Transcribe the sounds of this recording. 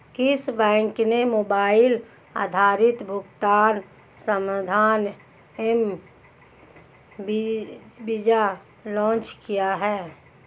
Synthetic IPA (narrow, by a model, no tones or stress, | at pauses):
kɪsbɛ̃ːŋknemoːbaːɪl | a̰ːd̪ʱaːɾɪt̪bʱʊɡt̪aːn | səmd̪ʱaːn | em | bid͡ʒa | lɔ̃ːt͡ʃkijaɦɛː